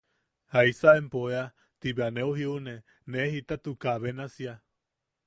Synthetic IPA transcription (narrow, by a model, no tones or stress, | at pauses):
haisaempoea | t̪iβeaneuɦiune | nehit̪at̪ukaβenasia